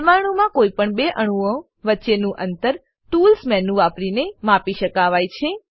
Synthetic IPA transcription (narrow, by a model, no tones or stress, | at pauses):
maɽ̃ũmãkoipəɳbeʔəɽ̃uə̃ | ʋətːʃenũʔənt̪əɾ | ʈulsmɛnũʋapɾinemapiʃəkaʋajt͡ʃʰe